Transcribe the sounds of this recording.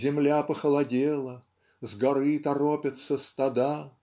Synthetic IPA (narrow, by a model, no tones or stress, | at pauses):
zʲɪmlʲapəxəlˠɐdʲelˠə | zɡɐɾɨt̪ɐɾopʲɪt̪səst̪ɐd̪a